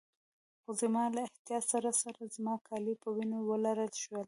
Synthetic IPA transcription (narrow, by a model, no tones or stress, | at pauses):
xozəmɑlaɪht̪jɑsaɾasaɾazmɑkʰɑlipəwinowəlaɾəlʃwəl